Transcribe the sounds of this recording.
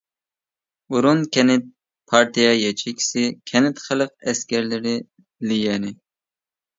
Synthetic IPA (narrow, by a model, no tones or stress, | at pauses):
uɾunkʲʰɛnɪt̪̚ | pʰɑɾt̪ijɛjɛt͡ʃʰikʲʰi̥sɪkʲʰɛnɪt̪χəlˠɨqɛskʲɛɾlɪɾɪ | lijɛnɪ